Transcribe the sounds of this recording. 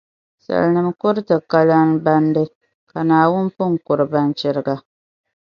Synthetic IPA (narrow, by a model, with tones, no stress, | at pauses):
sa̰˨lnɨ˨mkʊ˦ɾɨ˦tɨ˨ka˦la˦nba˦ndɨ˦ | ka˨naː˨wʊ˦npʊ˦ŋ˨kʊ˨ɾɨ˨ba˦nt͡ʃɪ˦ɾɨ˦ɡa˦